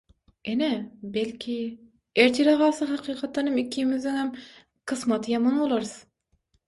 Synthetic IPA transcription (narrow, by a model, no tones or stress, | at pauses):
enɛbɛlkʲʰi | eɾt̪ʰiɾɑʁɑːsɨɦɑqʰiːqʰɑt̪ːˠɑnɨmɪkʲʰːimɪzd̪ɪŋɛm | qʰɨsmɑt̪ʰjɑmɑnolˠɑɾs